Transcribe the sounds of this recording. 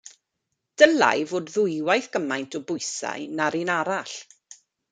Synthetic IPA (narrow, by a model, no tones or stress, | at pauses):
d̥əla̰jvoːdðʊjwajθɡ̥əmajntʰɔbʊɨsa̰jnaɾinaɾaɬ